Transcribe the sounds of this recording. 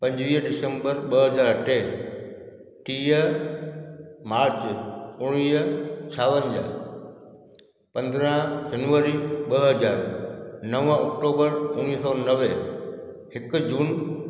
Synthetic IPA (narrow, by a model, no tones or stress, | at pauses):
pɐ̃ɲd͡ʑʋiːɦɗɪsə̃mbəɾɓɐɦɐzaːɾəʈʰeː | ʈiːə | maːɾt͡ɕʊɽ̃iːt͡ɕʰaːʋə̃nd͡ʑa̰ː | pɐ̃nd̪ɾə̃ɦd͡ʑɐnʋəɾiɓəɦɐzaːɾnɐʋə̃ɔk̚ʈoːbəɾʊniːsɔːnɐʋe | hɪkd͡ʑuːn